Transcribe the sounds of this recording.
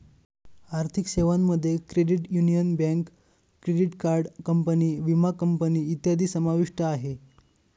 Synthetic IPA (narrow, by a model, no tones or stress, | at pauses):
aɾt̪ʰikɕeʋamːəd̪ʱːjekɾeɽiʈjunijənbɛ̃ŋkː | ɾeɖiʈkaɾɖkəmpəniːʋimakəmpəniːt̪jad̪ʱiːsəmaʋiʂʈəaɦe